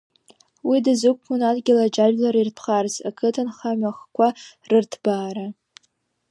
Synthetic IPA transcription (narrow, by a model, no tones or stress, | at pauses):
widɨzɨkʷʰkʷʊnadɡʲɪlad͡ʒaʒlaɾirtʰχarzakʰɨtʰɨnχamaχkʷarɨrtʰb̥aːɾa